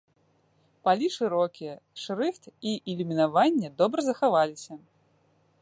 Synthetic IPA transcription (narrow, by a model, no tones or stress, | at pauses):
palʲiʂɨɾɔkʲijɐʂɾɨxt̪iʔɛlʲumʲinavanʲːɛd̪ɔbɾɐzɐxavalʲisʲɐ